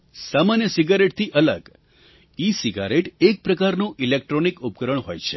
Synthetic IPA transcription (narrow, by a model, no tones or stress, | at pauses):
samanjəsiɡaɾeʈ̚t̪ʰiʔələ̰ɡ | isiɡa̰ɾeʈek̚pɾəkaɾnũʔilek̚ʈɾonikup̚kəɾəɳ̃ɦo̰jt͡ʃʰe